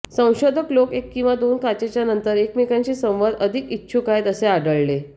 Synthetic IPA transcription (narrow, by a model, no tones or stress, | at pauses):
sə̃w̃ɕod̪ʱəklokekːĩw̃ʋad̪onkat͡ɕet͡ɕjanənt̪əɾekmekãɲt͡ɕiːsə̃w̃ʋad̪əd̪ʱikitːɕʰukaɦjt̪əseaɖəɭle